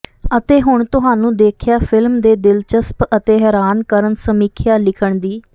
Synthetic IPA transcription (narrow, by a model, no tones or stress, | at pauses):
ət̪eːɦʊɳt̪ʊɦaːnũːd̪eːkʰjaːpʰɪlmd̪eːd̪ɪlt͡ʃəspət̪eːɦɛːɾaːnkəɾənsəmiːkʰjaːlɪkʰəɳd̪iː